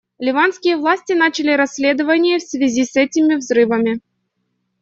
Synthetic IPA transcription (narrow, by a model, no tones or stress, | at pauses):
lʲɪvanskʲɪjəvlˠasʲtʲɪnat͡ɕɪlʲɪɾɐsʲlʲe̞d̪əvənʲɪjəfsvʲɪzʲisɛtʲɪmʲɪvzrɨvəmʲɪ